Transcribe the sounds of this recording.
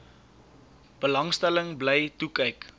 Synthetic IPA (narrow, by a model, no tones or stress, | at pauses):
b̥əlɐŋstæləŋblɛjtukəjk